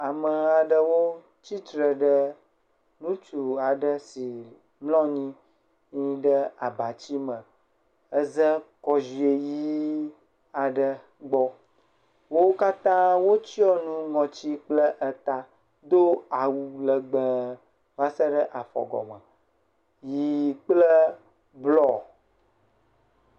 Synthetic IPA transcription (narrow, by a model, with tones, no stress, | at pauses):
a˨mə˨a˨ɖə˦wo˦ | t͡ɕi˦t̪ɾə˨ɖə˦ | nũ˦t͡ʃu˨a˨ɖə˦si˨ | mlɔ̃˦ɲĩ˦ | ɲĩ˦ɖə˦a˨ba˨t͡ɕi˦mə̃˨ | ə˦zə˦kɔ˦zi˨e˨ji˦ | a˨ɖə˦ | ɡ͡bɔ˦ | wo˦ka˦t̪ã˦wo˦t͡ɕi˦ɔ˦nũ˦ŋɔ̃˨t͡ɕi˦k͡plə˦ʔə˦t̪a˦ | d̪o˦a˨wu˨lə˨ɡ͡bə̃˨ | va˦sə˦ɖə˦ʔa˨fɔ̰˨ɡɔ̰˨mə˨ | ji˨k͡plə˦ | blɔ˦